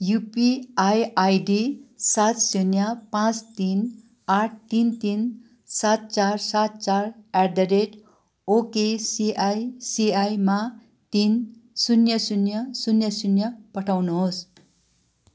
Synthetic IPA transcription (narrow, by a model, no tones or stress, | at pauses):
jupiajajɖisat̪sunjʌpãt͡st̪in | aʈ̚ʰt̪int̪in | sat̪̚t͡sarsat̪̚t͡saraɾd̪ʌɾeʈ | okesiʔajsiajma | t̪insunjʌsunjʌsunjʌsunjʌpʌʈʰawnuɦos